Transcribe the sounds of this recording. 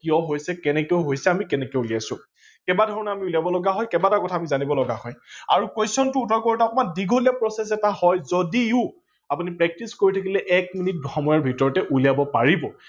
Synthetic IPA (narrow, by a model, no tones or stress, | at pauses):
kijɔɦojsɛkɛnɛkeʊɦojsɛamikɛnɛkeuliajsʊ̃ | kɛbadʱɔɹɔnaamiuliabɔlɔɡaɦɔjkɛbatakɔtʰaːmizanibɔlɔɡaɦɔja̰ɹukwejsɔntʊutɔkoɹitakɔmandiɡʱolijapɹɔsɛs̬ɛtahɔjzodiʊ | apunipɹɛk̚tiskoɹitʰak̬ilɛʔɛkminit̚bʱxɔmɔjɔɹbʱitɔɹɔtɛʔulijabɔpaɹibɔ